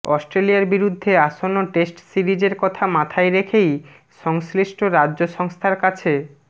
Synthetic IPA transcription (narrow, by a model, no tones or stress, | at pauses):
ɔsʈɾelijaɾbiɾud̪ʱːeaʃonːoʈesʈsiɾid͡ʑeɾkɔt̪ʰamat̪ʰajɾekʰej | ʃɔŋsliʃʈʰoɾadːʑoʃɔŋst̪ʰaɾkat͡ɕʰe